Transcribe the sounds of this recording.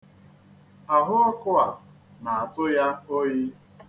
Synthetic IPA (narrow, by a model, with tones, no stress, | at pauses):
a˨ɦʊ˦ɔ˦kʊ˦a˨ | na˨a˨tʊ˦ja˦o˦jɪ˦